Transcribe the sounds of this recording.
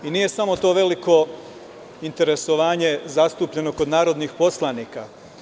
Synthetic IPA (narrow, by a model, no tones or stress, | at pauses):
iniːje̞samo̞t̪o̞ːʋe̞liko̞ | int̪eɾe̞so̞ʋaːɲe̞zast̪uːpʎe̞no̞ko̞d̪naːɾo̞d̪nixpo̞slˠaniːka